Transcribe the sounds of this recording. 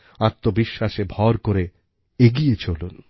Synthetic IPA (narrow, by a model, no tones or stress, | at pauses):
at̪ːobiʃːaʃebʱɔɾkoɾe | eɡijet͡ɕʰolun